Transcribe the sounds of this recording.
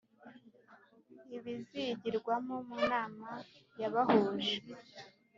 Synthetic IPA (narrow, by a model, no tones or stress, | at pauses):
iβiziɟiɾɡwamomunaːmajaβahuːʒe